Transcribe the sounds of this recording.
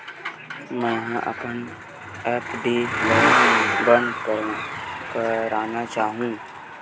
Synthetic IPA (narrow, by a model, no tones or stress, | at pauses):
mɛ̃ːɦʔə̰pən | ɛːpɖeːləbə̃nd̪kəɾkəɾaːnat͡ʃaːɦũː